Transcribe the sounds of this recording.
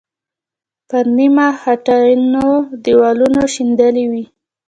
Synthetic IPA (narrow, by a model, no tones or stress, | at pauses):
pəɾnimaxaʈanod̪iwɑlunoʃind̪əliwi